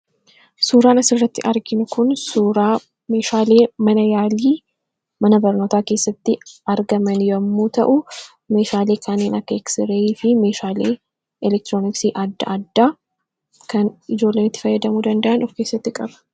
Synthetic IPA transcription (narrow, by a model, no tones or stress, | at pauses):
suːɾaːnɐsɪrːɐt̪ːɪʔɐɾɡɪnʊkʊnsuːɾaː | me̞ːʃaːle̞ːmɐnɐjaːliː | mɐnɐbɐɾno̞ːt̪aːke̞ːsːɐt̪ːɪɐɾɡɐmɐnjɐmːuːt̪ɐʔʊ | me̞ːʃaːle̞ːkʰaːneːnɐkːɐɛksɪɾeiːfɪme̞ːʃaːlḛː | ɛlɛk̚t̪ɾoːnɪksiːʔɐd̪ːɐʔd̪ːaː | kɐnɪd͡ʒo̞ːlːeːnɪt̪ːɪ̥fɐjːɐd̪ɐmuːd̪ɐnd̪ɐʔɐnɔfke̞ːsːɐt̪ːɪkʼɐbɐ̥